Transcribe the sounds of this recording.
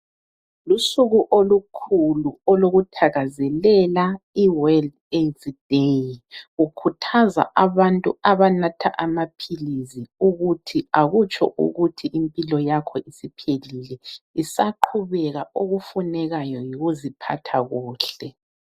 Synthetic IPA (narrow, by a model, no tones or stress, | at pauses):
lusuɣuʔolukʰuluɔloɣutʰaɣazɛlɛlaiwɛld | ezdejɣukʰutʰaza̰ʔaβantʼuaβanatʰa̰ʔamapʰiliziuɣutʰiaɣut͡ʃʰʼɔ̰ʔṵɣutʰiʔimpʼilɔjakʰɔʔisipʰelilɛisaǃʰuβɛɣaoɣufunɛɣajɔjiɣuzipʰa̰tʰaɣuːɬɛ